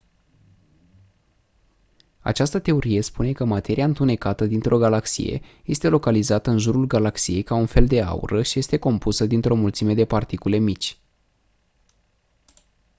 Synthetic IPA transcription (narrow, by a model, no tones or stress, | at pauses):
a̰t͡ʃast̪ət̪e̞o̞ɾie̞spune̞kəmat̪e̞ɾiaɨnt̪une̞kat̪əd̪int̪ɾʔo̞ɡalaksḭje̞̰je̞st̪e̞lo̞kalizat̪əɨnʒuɾulɡalaksije̞jkaunfe̞ld̪e̞a̰ṵɾəʃije̞st̪e̞ko̞mpusəd̪int̪ɾo̞mult̪sime̞d̪e̞part̪ikule̞mit͡ʃʲ